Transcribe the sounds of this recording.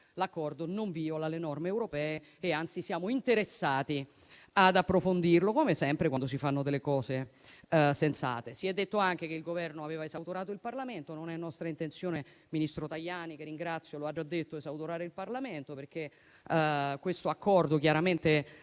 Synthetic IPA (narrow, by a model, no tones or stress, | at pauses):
lakːɔrd̪onoɱviolalenɔrmeːwɾopɛːeː | ant̪sisjaːmoint̪eɾesːaːt̪i | ad̪apːɾofond̪irlokomesɛmpɾekwand̪osifanːod̪elːekɔːze | sent̪sa̰ːt̪esiɛd̪ːet̪ːoaŋk̟ekeilɡovɛrnoaveːvaezawt̪oɾaːt̪oilparlament̪ononɛnːɔst̪ɾaint̪ent̪sjoːne | minist̪ɾot̪ajːaːnikerːiŋɡɾat̪sːjoload͡ʒːad̪ːet̪ːoezawt̪oɾaːɾeilparlament̪operke | kːwest̪oakʰːɔrd̪okjaɾament̪e